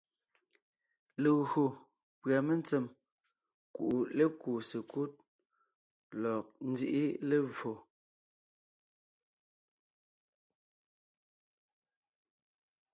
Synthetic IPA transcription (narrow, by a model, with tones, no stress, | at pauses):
le˨ɣɰo˨ | pɰa˨me˦n˦t͡sɛ˨m | kṵ˨ʔu˨le˦kuː˨se˨ku˦t̚ | lɔ˨k̚n̩˦d͡zi˦ʔi˦le˦˨vo˨